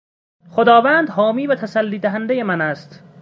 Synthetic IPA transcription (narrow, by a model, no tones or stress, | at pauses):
xod̪ɒːvæːnd̪hɒːmiːvæt̪ʰæsælːiːd̪æɦænd̪ejemænæst̪